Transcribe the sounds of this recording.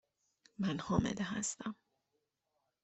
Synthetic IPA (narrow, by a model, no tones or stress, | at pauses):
mænhɒːmḛd̪eɦæ̰st̪æm